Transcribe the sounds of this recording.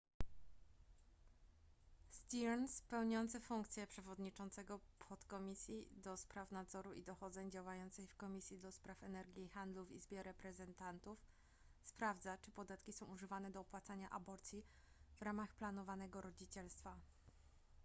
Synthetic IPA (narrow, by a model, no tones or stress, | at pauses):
st̪ʲiɛnspɛwɲɔnt̪sɘfuŋk̚t̪sʲjɛpʂɛvɔd̪ɲit͡ʂɔnt̪sɛɡɔpʰɔt̪kɔmʲisʲjid̪ɔspɾafnad̪zɔɾuʔḭd̪ɔxɔd̪zɛɲd͡ʑawajɔnt̪sɛjfkɔmʲisʲjid̪ɔspɾafɛnɛɾɡʲjixand̪luvḭzbʲjɛɾɛpɾɛzɛnt̪ant̪uf | spɾavd̪zat͡ʂɘpɔd̪at̪kʲisɔ̃w̃uʐɘvanɛd̪ɔːpwat̪saɲaʔa̰bɔɾt̪sʲji | vɾamaxplanɔvanɛɡɔɾɔd͡ʑit͡ɕɛlst̪fa